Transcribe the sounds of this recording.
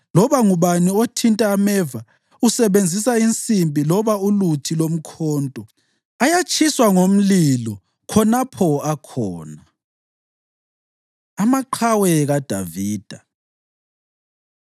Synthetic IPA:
lɔβaŋuβaniotʰintʼaːmɛva | usɛβend͡zʱisaint͡sʼimbʼʱilɔβaulutʰilom̩kʰɔːntʼɔ | ajat͡ʃʰʼiswaŋom̩lilɔ | kʰɔnapʰɔakʰɔ̰ːna | amaǃʰawɛɣad̥ʱa̰viːd̥ʱa

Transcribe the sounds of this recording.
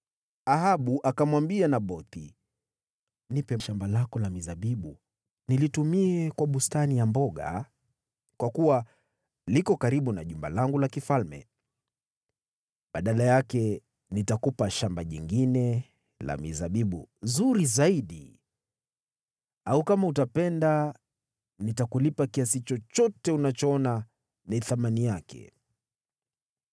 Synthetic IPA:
ahaɓuʔakamwambianaɓɔti | nipɛʃambalakɔlamizaɓiɓu | nilitumiɛkwaɓustanijambɔɠa̰ | kwakuwa | likɔkaɾiɓunaʄumba̰laŋɡulakifalmɛ̰ | ɓaɗalajakɛ | nitakupaʃambaʄiŋɡinɛ | la̰mizaɓiɓṵzuɾizaiɗḭ | aukamautapɛnda | nitakulipakiasit͡ʃɔt͡ʃɔtɛunat͡ʃɔɔna | niθamanijakɛ̰

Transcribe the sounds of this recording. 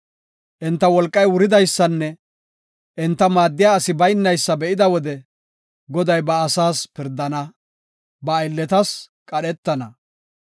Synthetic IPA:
ʔɪnt̪ːɐwɔlkʼːɐjwʊɾɪd̪ɐjsːɐnːɛ | ʔɪnt̪ːɐmaːd̪ːɪjaːɐsɪbɐjnːɐjsːɐbɛʔɪd̪ɐwɔd̪ɛ | ɡɔd̪ɐjbɐːsaːspɪɾd̪ːɐnɐ | bɐːjlːɛt̪ɐs | kʼɐɗɛt̪ːɐnɐ

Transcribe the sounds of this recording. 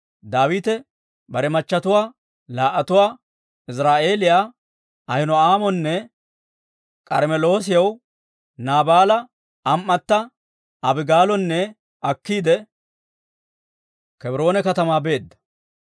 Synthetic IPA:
d̪aːwiːt̪ɛ | bɐɾɛmɐt͡ʃːɐt̪ʊwaː | laːʔɐt̪ʊwaː | ɪs̬ɾaːʔe̞ːlɪjaː | ɐhɪnɔaːmɔnːɛ | kʼɐɾmɛlo̞ːs̬ɪjɐw | naːbaːlɐ | ɐmːɐt̪ːɐ | ɐbɪɡaːlɔnːɛ | ɐkːiːd̪ɛ | kɛbɾo̞ːnɛkɐt̪ɐmaːbe̞ːd̪ːɐ̥

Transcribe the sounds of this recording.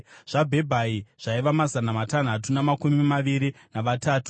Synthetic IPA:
ʐ̥abʱe̞bʱaiʐ̥aiʋamazanamatan̤atunamakumimaʋiɾinaʋataːtu̥

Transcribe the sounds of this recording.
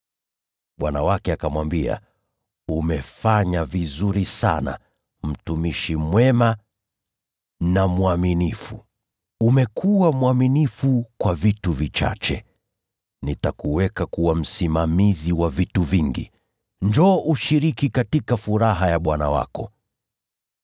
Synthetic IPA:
ɓwanawakɛakamwambia̰ | umɛfaɲavizuɾisa̰na̰ | m̩tumiʃimwɛma | namuaminifu | umɛkʰuwamwaminifukwavituvit͡ʃa̰t͡ʃɛ | nitakuwɛkakuwam̩simamiziwavituviŋɡḭ | ndɔːʔuʃiɾikikatikafuɾaɦajaɓwana̰wa̰kɔ

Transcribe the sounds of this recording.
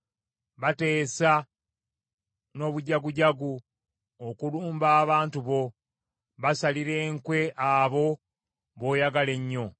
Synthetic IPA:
βate̞ːsa | no̞ːβuɟaɡuɟaɡu | okuluːmbaːβaːntuβo̞ | βasaliɾe̞ːŋkwe̞ʔaβo̞ | βo̞ːjaɡale̞ɲːo̞

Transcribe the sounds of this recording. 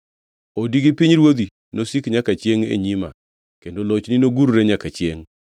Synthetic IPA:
odiɡipɪɲɾwod̪i | nosikɲakat͡ʃjeŋḛɲima̰ | kendolot͡ʃnɪnoɡuɾɾeɲakat͡ʃjeŋ

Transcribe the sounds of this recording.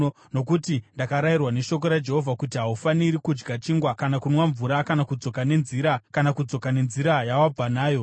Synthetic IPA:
no̞kutindakaɾajirwane̞ʃo̞k̬o̞ɾad͡ʒe̞ɦo̞vʱakutiɦaufaniɾikud͡ʒɡat͡ʃiŋɡwakanakunwaɱvuɾakanakud͡zo̞kane̞nziɾakanakud͡zo̞kane̞nziɾajawab͡vanaːjo̞

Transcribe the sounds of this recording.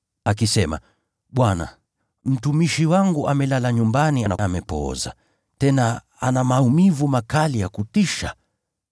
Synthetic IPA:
akisɛma̰ | ɓwana̰ | m̩tumiʃiwaŋɡuʔamɛlalaɲumbanianaamɛpɔ̰za̰ | tɛna | anamaumivumakalijakutiʃa̰

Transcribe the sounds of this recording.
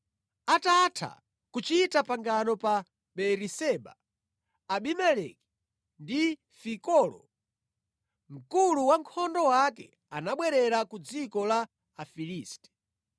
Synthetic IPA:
atatʰa̰ | kut͡ʃitapaŋɡanɔpa | ɓɛɾisɛɓa̰ː | ɓimɛlɛki̥ | ndi | fikɔlɔ̰ | m̩kuluwaŋkʰɔndɔwakɛ | anaɓwɛɾɛɾakud͡zikɔlaː | filiːstɛ̥

